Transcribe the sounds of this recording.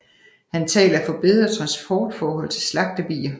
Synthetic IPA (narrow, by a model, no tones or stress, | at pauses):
hænt͡sʰɛ̰ːlɐfɒ̽b̥e̝ð̰ˠɐt͡sʰʁɑ̈nsb̥ʰɒːd̥fɒːɦɒ̽l̰t͡sʰe̝slɑ̈ɡ̥̚d̥əb̥ḭːɐ